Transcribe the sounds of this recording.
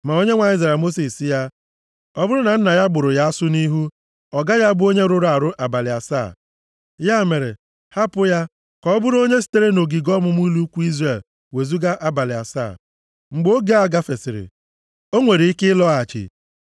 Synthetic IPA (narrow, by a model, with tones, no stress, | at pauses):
ma˨o˦ɲe˦ŋʷa˨i˦ze˨mo˦si˨si˦ja˦ | ɔ˦bʊ˦ɾʊ˦na˨n̩˦na˨ja˦ɡ͡bʊ˨ɾʊ˨ja˦sʊ˦ni˦ɦu˦ | ɔ˨ɡa˦ja˦bʊ˦o˦ɲe˦ɾʊ˦ɾa˨ɾʊ˦ʔa˨ba˨lɪ˨a̰˨sa̰ː˦˨ | ja˦me˨ɾḛ˨ | ha˦pʊ˦ja˦ | kɔ˨ɔ˦bʊ˦ɾo˦ɲe˦s̬i̥˦te˦ɾe˦no˨ɡi˨ɡɔ˦mʊ˨m˦i˦lu˦kʷu˦i˦zɾe˨l | we˨zu˦ɡa˦ʔa˦ba˨lɪ˨a̰˨sa̰ː˦˨ | ŋ͡m̩˨ɡ͡bo˦ɡe˦a˨ɡa˦fe˨sɪ˨ɾɪ̰˨ | o˦ŋʷe˨ɾi˨˦i˦kɪ˦lɔ˦a˨t͡ʃɪ̰˨